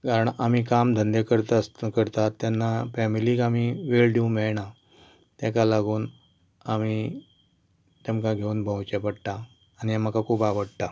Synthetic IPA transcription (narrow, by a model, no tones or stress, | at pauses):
kaɾəɳam̤ikamd̪ʱənd̪ekəɾt̪skəɾt̪at̪ːjanːafɛmiliːkamiʋelɖeumeɭɳa | t̪jakalaɡuːn | ami | t̪jɛmkaɡʱeuːnbʱə̃wt͡ɕepəɽʈ̪aː | niamakakʰuːpaʋəɽt̪a